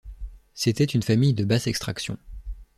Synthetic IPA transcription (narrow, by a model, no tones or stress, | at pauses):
set̪ɛt̪ynfamijd̪əbasɛkst̪χaksjɔ̰̃